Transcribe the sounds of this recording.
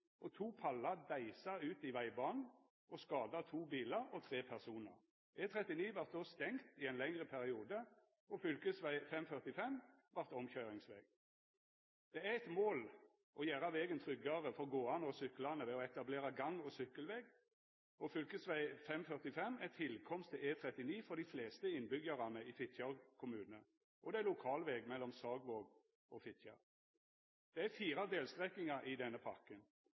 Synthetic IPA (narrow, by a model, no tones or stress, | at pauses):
ʔɔt̪ʰuːpʰɑlɑd̪æɪsɑʉːt̪ɪʋæɪbɑːnn̩ | ʔɔskɑːd̪ɑt̪ʰuːbiːləɾɔt̪ʰʁeːpʰæʁsuːnə̰ʁ | ʔɛt̪ʰʁɛt̪ɪniːʋɑʁt̪̚d̪oːst̪ɛŋt̪ɪɛnlɛŋʁəpʰæʁɪuːd̪ə | ɔfʏlkəsʋæɪfɛmfœʁt̪ɪfɛmʋɑʁt̪ɔmçœʏʁɪŋsʋɛ̰ːɡ | d̪̥ɛæɛt̪moːl | ʔɔjæːɾɑʋɛːɡənt̪ʰʁʏɡːɑʁəfɔʁɡoːɑnɔsʏkːlɑnəʋɛːɔɛt̪ɑbleːɾɑɡɑŋɔsʏkːəlʋeːɡ | ɔfʏlkəsʋæɪfɛmfœʁt̪ɪfɛmːɛt̪ʰːɪlkʰɔmst̪ʰːɪeːt̪ʰɾɛt̪ɪniːfɔʁd̪ifleːst̪əɪnːbʏɡəʁɑnəiːfɪt̪ʰçɑʁkʰʊmʉːnənə | ʔɔd̪ɛælʊkʰɑːlʋɛːɡmɛlːɔmsɑːɡʋoːɡ | ɔfɪt̪çɑ̰ | d̪̥ɛæfiːɾɑd̪eːlst̪ʁɛknɪŋɑʔid̪ɛnːəpʰɑkən